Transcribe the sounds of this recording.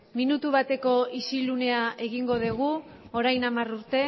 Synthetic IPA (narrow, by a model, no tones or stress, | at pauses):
minut̪uβat̪e̞ko̞isilune̞ae̞ɣiŋɡo̞ðeɣ̞u | oɾajnamaruɾt̪e̞